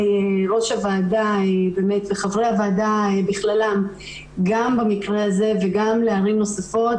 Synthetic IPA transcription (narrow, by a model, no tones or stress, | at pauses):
eʁo̞ʃavaːdaebe̞ːme̞t̪beχavʁeavaːdaebiχlalam | ɡambamikʁeaze̞veɡamleaʁimno̞safo̞t